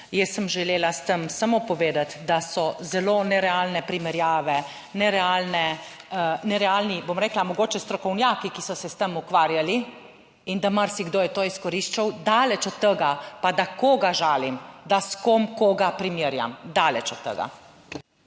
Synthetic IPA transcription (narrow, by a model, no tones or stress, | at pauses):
jɛsːəmʒɛleːlast̪əmsamopɔʋeːd̪at̪d̪asɔzɛloːnɛɾɛaːlnɛpɾimɛɾjaːʋɛ | nɛɾɛalnɛ | nɛɾɛaːlnibomɾɛːklamɔɡoːt͡ʃɛst̪ɾɔkɔwnjaːkikisɔsɛst̪əmukʋaːɾjali | ind̪amaɾsiɡd̪oːjɛt̪oːiskɔɾiʃt͡ʃawd̪aːlɛt͡ʃɔt̪t̪ːəɡapad̪akoːɡaʒaːlimd̪askomkoɡapɾimiɾja̰md̪aːlɛt͡ʃɔt̪ːə̰ɡa̰